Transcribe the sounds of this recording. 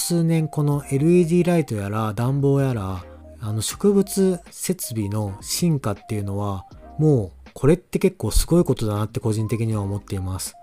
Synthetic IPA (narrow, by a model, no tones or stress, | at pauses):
sɨːnẽ̞ŋko̞no̞ʔe̞ɾɯ̟id̪ʲiːɾait̪o̞jaɾad̪ãmbo̞ːjaɾa | ano̞ɕo̞̥kɯ̟bɯ̟t͡sɨ | se̞t͡sɨbʲino̞ɕĩŋkat̪ːe̞jɯ̟no̞βa | mo̞ː | kʰo̞ɾe̞t̪ːe̞ke̞kːo̞ːsɨɡo̞iko̞t̪o̞d̪anat̪ːe̞ko̞ʑĩnt̪e̞kʲiɲ̟iβaomo̞t̪ːe̞imasɨ̥